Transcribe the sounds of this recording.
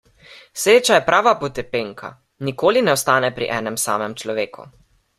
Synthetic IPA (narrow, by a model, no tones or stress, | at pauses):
sɾeːt͡ʃajɛpɾʔaːʋapɔt̪ɛpeːŋkʰa̰ | nikoːlinɛɔst̪aːnɛpɾḭʔɛːnɛmsa̰ːmɛmt͡ʃlɔʋeːkʰṵ